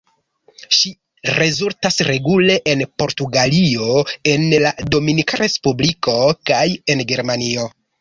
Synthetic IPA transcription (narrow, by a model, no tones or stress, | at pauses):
ʃi | ɾe̞zultasɾe̞ɡule̞ʔenpo̞ɾtuɡalio̞e̞nlado̞minikaɾe̞spubliko̞kaje̞nɡe̞ɾmanio̞